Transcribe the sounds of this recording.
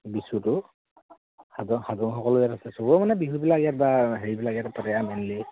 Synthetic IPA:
bisutʊ | hadɔŋhadɔŋxɔkɔlʊjatasɛsɔbɔmanɛbiɦubilakjat̚baɦeɹibilakijatpatɛjamɛnli

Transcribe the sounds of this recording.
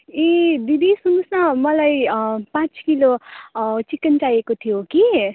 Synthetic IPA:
ẽd̪id̪isunusnʌmʌlajpãt͡skilo | t͡sikʌnt͡sajekot̪ʰijoki

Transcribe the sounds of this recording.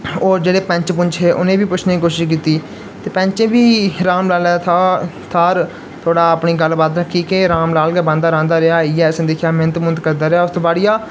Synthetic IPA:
oːɾd͡ʒeːɽeːpə̃ɲt͡ʃpʊɲt͡ʃʰeːʔʊnẽːbiːpʊt͡ʃʰneːiːkoːʃɪʃkiːt̪iː | t̪eːpə̃ɲt͡ʃẽːbiːɾaːmlaːlɛːt̪ʰaːɾ | t̪ʰoːɽaːəpɳiːɡəlbaːd̪ɾəkʰːiːkeɾaːmlaːlkɛːbãːnd̪aːɾãːnd̪aːɾɪaːɪːɛːsnːd̪ekʰjaːmeːnət̪mʊnt̪kəɾd̪aːɾeaːʊst̪oːbaːɽɪjaː

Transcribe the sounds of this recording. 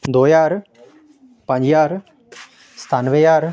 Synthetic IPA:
d̪oːjaːɾ | pɐ̃ɲd͡ʒjaːɾ | st̪ʰanʋejaːɾ

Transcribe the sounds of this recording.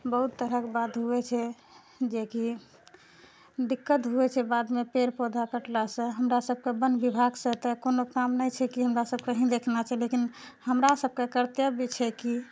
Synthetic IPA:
bəɦut̪ːəɾəkbad̪ɦuɛt͡ʃʰɛ | d͡ʒeki | d̪ikːət̪ɦuɛt͡ʃʰɛbad̪mepeɾpod̪ʱakəʈlasə̃ɦəmɾasəb̚ʱkebənbibʱaɡsə̃t̪əkonokamnəjt͡ʃʰɛkiɦəmɾasəb̚keɦĩd̪ekʰnat͡ʃʰɛlekinhəmɾasəb̚kekəɾt̪jəbʱit͡ʃʰɛki

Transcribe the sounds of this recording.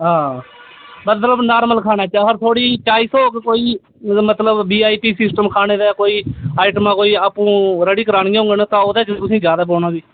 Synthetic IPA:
ɦãː | mət̪ləbnaːɾməlkʰaːnaːt͡ʃːəɡəɾt̪ʰoːɽiːt͡ʃaːiːsoːkkoːiː | mət̪ləbːiːaːiːpiːsɪsʈəmkʰaːneːd̪ɛːkoːiːaːɪʈəmãːkoːiːaːpũːɾəɽiːkəɾaːnijːɦʊ̃ŋɡənt̪ãːod̪eːkːt̪ʊsĩːd͡ʒjaːd̪aːp̬oːnaːbiː

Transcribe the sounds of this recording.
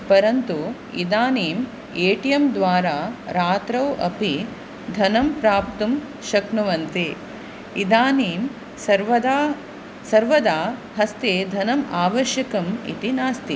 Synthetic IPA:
pɐɾɐnt̪u | ḭd̪aːniːm | eːʈijɐmd̪ʋaːɾaːɾaːt̪ɾɐwɐ̰pi | d̪ʱɐnɐmpɾaːp̚t̪um | ʃɐknuʋɐnt̪i | id̪aːniːm | sɐɾʋɐd̪aː | sɐɾʋɐd̪aː | ɦɐst̪eːd̪ʱɐnɐmaːʋɐʃjɐkɐmḭt̪inaːst̪i

